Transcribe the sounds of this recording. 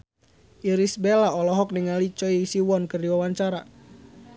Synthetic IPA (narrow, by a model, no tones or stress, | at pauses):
ʔiɾisbelaɔlɔɦɔk̚niŋalit͡ʃɔisiwɔnkərdiwawaɲt͡ʃaɾa